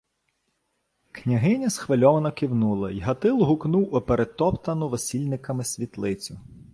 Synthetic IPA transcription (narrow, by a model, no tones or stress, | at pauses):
knʲɐɦɪnʲɐsxʋɐlʲɔʋɐnɔkiwnulˠɐjɦɐt̪ɪlˠɦʊknuwʊpeɾet̪ɔpt̪ɐnʊʋɔsʲilʲnɪkɐmɪsʲʋʲit̪lˠɪt͡sʲʊ